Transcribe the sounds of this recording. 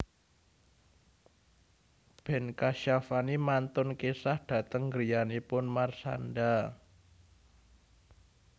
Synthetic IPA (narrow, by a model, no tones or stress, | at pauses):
b̥ɛ̤nkaʃafanimant̪ʊnkesahd̥ä̤t̪əŋɡəɾijanipʊnmarsa̰nda